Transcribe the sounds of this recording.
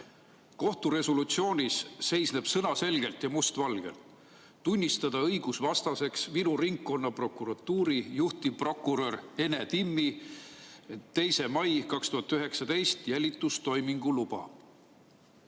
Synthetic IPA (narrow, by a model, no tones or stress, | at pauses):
ko̞ht̪uɾe̞solut̪sio̞ːnʲisːe̞jsne̞b̥sɤnɑse̞lɡe̞lt̪jɑmust̪vɑlɡ̥e̞̰lt̪ | t̪unʲːist̪ɑd̪̥ɑɤjɡ̥usvɑst̪ɑse̞ksminuriŋkːo̞nːɑpro̞kˑuɾɑt̪ːuːɾijuht̪ipro̞kːˑuɾø̞re̞net̪imːi | t̪ːe̞jse̞mɑjkɑkst̪uhɑt̪ːyɦe̞ksɑd̪e̞jst̪jælʲit̪ːˑust̪o̞jmiŋɡ̥ulub̥ɑ̰